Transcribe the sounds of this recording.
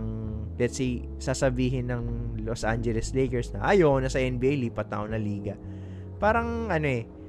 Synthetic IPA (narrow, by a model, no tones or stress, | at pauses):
lɛt̪sej | saːsɐbiːɦɪnːɐŋlosʔa̰nd͡ʒɛlɛslekɛɹsnɐʔɐjonɐsɐʔɛnbiːʔejliːpɐt̪ːa̰ʔoŋnɐliːɡɐ | paːɾɐŋʔɐno̞ʔɛ